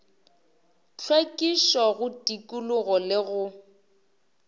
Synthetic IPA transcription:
t͡ɬʰwekʼiʃɔɣʊtʼikʼulʊɣɔlɪɣʊ

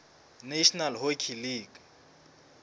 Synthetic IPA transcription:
neʃnalɦokʰiliːɡ

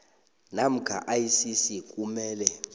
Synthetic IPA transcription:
nam̩kʰa̰ʔajsisik̬ʼumɛːlɛ

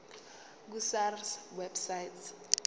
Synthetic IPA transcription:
k̬usarswɛbsajt

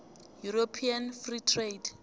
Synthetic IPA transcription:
juɾopʰianfritʰred

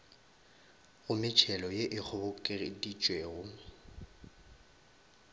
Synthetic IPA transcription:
ɣʊmɪt͡ʃʰɛlɔjeʔɪk͡xʰʊbʊkʼɪrɪdit͡ʃʼweɣʊ

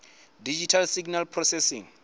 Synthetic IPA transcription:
did͡ʒitʰalsiɡnalpʰrɔsɛsḭ̃ŋ

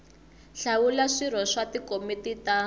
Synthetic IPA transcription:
ɬawulaʂir̤ɔʂatikomitita

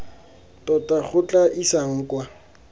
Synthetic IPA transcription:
tʼɔtʼak͡xʰʊt͡ɬʼaʔisaŋ̩ːkwa

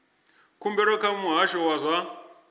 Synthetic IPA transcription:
kumbɛɾɔkamuɦaʃɔwazʷa

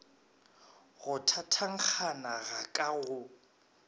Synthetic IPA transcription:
ɣʊtʰatʰaŋ̩k͡xʰanaɣakʼaɣʊ

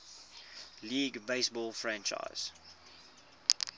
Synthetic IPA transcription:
liːɡbeɪsbɔːlfɹæ̃nt͡ʃa̰ɪz̥

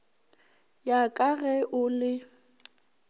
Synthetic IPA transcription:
jakʼaɣɛʔʊlɪ

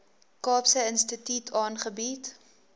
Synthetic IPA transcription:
kɑːpsəənstətytʰɑːnχəbit

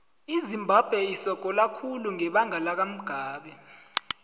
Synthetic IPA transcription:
izimbʱab̥ʱwɛisɔɡ̥ʱɔlakʰuluŋɛɓaŋalak̬am̩ɡ̥ʱaːɓɛ

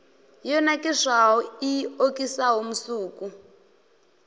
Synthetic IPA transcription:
jɔnakʼɛʂaɦɔiokʼisaɦom̩suːku

